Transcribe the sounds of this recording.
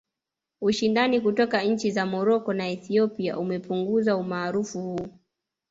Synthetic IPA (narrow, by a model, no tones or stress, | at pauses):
uʃindanikutɔkaɲ̩t͡ʃizamɔɾɔkɔnaɛθiɔpia̰ʔumɛpuŋɡuzaumaːɾufuhuː